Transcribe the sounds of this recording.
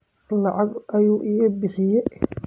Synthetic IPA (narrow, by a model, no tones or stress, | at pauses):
lɑʕɑɡʔɐjuːʔɪɣɐbɪħɪjɛ